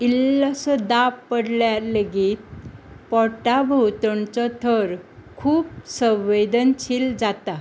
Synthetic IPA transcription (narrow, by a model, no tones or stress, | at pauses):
ilːasɔd̪appːəɽljaləɡit̪pɔʈabʱəwt̪əɳt͡sɔt̪ʰəɾkʰuːp̚sə̃wːed̪ənt͡ɕʰild͡zat̪a